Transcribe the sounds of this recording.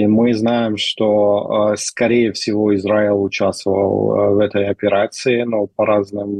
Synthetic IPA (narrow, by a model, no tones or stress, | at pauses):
mɨznajɪmʂt̪oskɐɾʲejəfsʲɪvoɪzɾailˠʊt͡ɕast̪vəvə̰lˠvɛt̪əjɐpʲɪɾat̪sɨɪnopɐɾaznɨm